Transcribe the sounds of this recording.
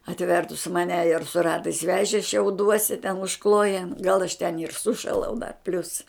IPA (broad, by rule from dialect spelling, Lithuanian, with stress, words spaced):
ɐtʲˈʋʲɛrtʊs mɐˈnʲɛ ɪr sʊ ˈrɑːtɐɪs ˈʋʲæːʒʲeː ʃʲɛʊˈduɔsʲɪ tʲɛn ʊʃˈklˠoːjɛn ɡɐlˠ ɐʃ tʲɛn ɪr ˈsʊʃɐlˠɐʊ dɐ pʲlʲʊs